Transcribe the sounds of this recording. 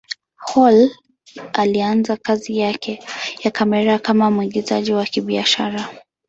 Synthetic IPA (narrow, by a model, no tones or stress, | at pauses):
hɔl | alianzakazijakɛjakamɛɾakamamuiɡizaʄiwakiɓiaʃaɾa